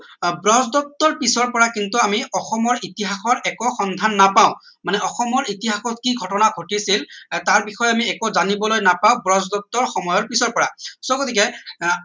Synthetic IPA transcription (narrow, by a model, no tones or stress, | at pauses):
bɹɔzdɔtːɔɹpisɔɹpɔɹakintuamiɔxɔmɔɹitiɦaxɔɹɛkɔxɔnd̪ʱanːapaʊ̃ | manɛʔɔxɔmɔɹitiɦaxɔtkiɡʱɔtɔnaɡʱotisiltaɹbixɔjɛamiɛkozanibɔlojnapaʊbɹɔzdɔtːɔɹxɔmɔjɔɹpisɔɹpɔɹasɔɡot̪ʰikɛ